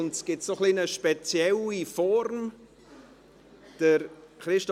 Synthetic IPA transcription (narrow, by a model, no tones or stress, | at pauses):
ntsɡ̥ɪtsoχlinəʃpɛt͡sjɛlifɔɾm | d̥əɾχɾɪʃtɔ